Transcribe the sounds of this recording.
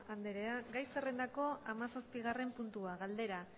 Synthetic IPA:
and̪eɾeaɡajse̞re̞nd̪ako̞amasaspiɣ̞are̞mpunt̪uaɣald̪e̞ɾa

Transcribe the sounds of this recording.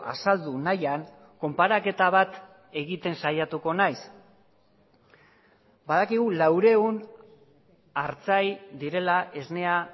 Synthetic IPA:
ʔa̰sald̪unajaŋ | ko̞mpaɾake̞t̪aβat̪ | e̞ɣit̪e̞nsajat̪uko̞najs | bað̞akiɣ̞ulawɾe̞un | aɾt͡sajd̪iɾe̞laʔe̞zne̞a

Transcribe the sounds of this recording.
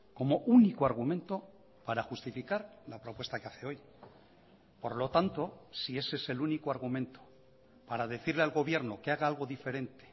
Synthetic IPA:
ko̞mo̞ʔunikoaɾɣ̞umẽnt̪o̞ | paɾaxust̪ifikaɾlapɾo̞pwe̞st̪akeaθeo̞j | po̞ɾlo̞t̪ant̪o̞sie̞sese̞lunikoaɾɣumẽ̞nt̪o̥ | paɾaðe̞θiɾlealɣo̞β̞je̞ɾno̞keaɣaalɣo̞ðife̞ɾe̞nt̪e̥

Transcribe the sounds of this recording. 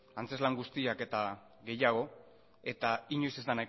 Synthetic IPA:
ant͡se̞zlaŋɡust̪iake̞t̪a | ɣe̞jaɣ̞o̞ | e̞t̪aiɲojsezd̪ana

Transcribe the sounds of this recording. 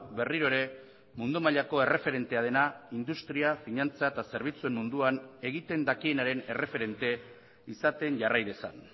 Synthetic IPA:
be̞riɾo̞eɾe̞ | mund̪umaʎako̞e̞re̞fe̞ɾe̞nt̪e̞að̞e̞naind̪ust̪ɾiafiɲant͡saet̪ase̞ɾβ̞it͡sue̞mmund̪uane̞ɣit̪e̞nd̪akie̞naɾe̞ne̞re̞fe̞ɾe̞nt̪e̞ | isat̪e̞nʝarajðe̞sa̰n

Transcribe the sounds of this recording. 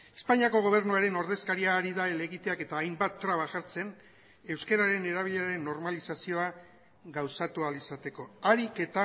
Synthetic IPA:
e̞̥spaɲiako̞ɣ̞o̞β̞e̞ɾnuaɾe̞no̞ɾð̞e̞skaɾiaːɾiðaele̞ɣit̪e̞ake̞t̪aːjmbat̪ːɾaβ̞aʝaɾt͡se̞n | e̞wske̞ɾaɾe̞ne̞ɾaβ̞iʎe̞aɾe̞nːo̞ɾmalisasio̞a | ɣawsat̪ualisat̪e̞ko̞aɾike̞t̪a

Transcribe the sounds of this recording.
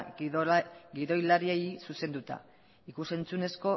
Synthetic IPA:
ɡiðo̞jlaɾiejsuse̞nd̪ut̪a̰ | ikuse̞nt͡sune̞sko̞

